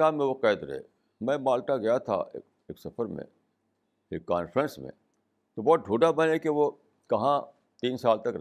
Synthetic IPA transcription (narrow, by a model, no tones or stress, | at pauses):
aːmːẽʋoqɛːd̪ɾɐ̰ɦḛ | mɛ̃ːmaːlʈaɡɐjat̪ʰa̰ | eːksɐfəɾmḛ̃ | eːkːaːnfɾə̃nsmḛ̃ | t̪obɔːt̪̚ɖʱuːɖabɐ̃nekeʋo | kɐɦã | t̪iːnsaːlt̪ɐkɾ